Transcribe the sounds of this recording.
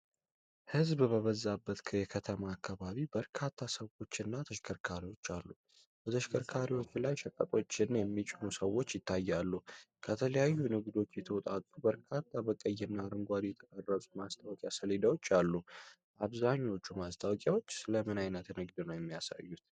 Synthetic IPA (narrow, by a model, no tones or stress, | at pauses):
hɨzbbəβəzːabːət̪kʰəjɛkʰət̪ʰəmaːkʰːaβaβibəɾkʰat̪ʰːasəwo̞t͡ʃːɨnːat̪ʰəʃkʰəɾkʰaɾiwo̞t͡ʃːalːu | b̥ət̪ʰəʃkʰəɾkʰaɾiwo̞t͡ʃːlajʃəkʼət̪ʼo̞t͡ʃːɪnjɛmːit͡ʃʼɪnusəwːo̞t͡ʃːjɪt̪ʰːajːalːu | kʰət̪ʰələjajːunɨɡd̪o̞t͡ʃːjɛt̪ʰəwɔt̪ʼat̪ʼːubəɾkʰat̪ʰːabəkʼəjɛnːaɾɨŋɡʷad̪ijɛt̪ʰəkʼərːətʼumast̪ʰʼawɔkʼjasəlid̪awo̞t͡ʃːalːu | ʔaβzaɲːwo̞t͡ʃːumast̪ʰʼawkʼjawo̞t͡ʃːsɨləmɨnajnət̪nɨɡd̪ɨnəwjɛmːijasa̰jːut̪